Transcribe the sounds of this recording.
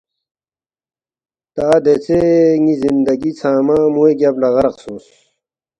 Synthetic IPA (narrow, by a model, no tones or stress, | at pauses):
t̪aːd̪et͡seŋizind̪ɐɡit͡sʰaːmamueɡablɐɣɐɾɐqsuːs